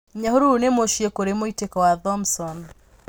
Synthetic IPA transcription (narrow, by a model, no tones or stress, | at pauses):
ɲaɦuɾunemoʃiekoɾemoitekɔwaðɔmsɔn